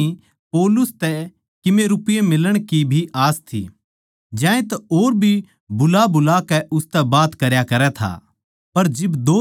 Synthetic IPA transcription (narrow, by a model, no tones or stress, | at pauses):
i | poːlʊst̪ɛ | kɪmeɾʊpɪjemɪləɽ̃kibʱiʔaːst̪ʰḭ | d͡ʒjãːẽt̪aoːɾbʱi | bʊlabʊlakɛʔʊst̪ɛbaːt̪kɐɾjakɐɾɛt̪ʰa̰ | pɐɾd͡ʒɪbd̪oː